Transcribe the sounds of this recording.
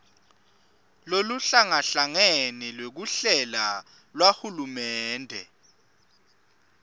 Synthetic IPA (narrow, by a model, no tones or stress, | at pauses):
loluɬaŋaɬaŋenilwek̬uɬɛla | lwahulumɛːndʱɛ̰